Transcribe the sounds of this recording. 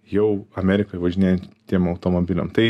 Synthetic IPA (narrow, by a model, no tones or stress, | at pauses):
jɛʊɐmʲæːɾʲɪkoʋɐʒʲɪnʲeːjɛnt̪ʲiɛmɐʊt̪oːmoːbʲɪlʲɛ̰mt̪ɐɪ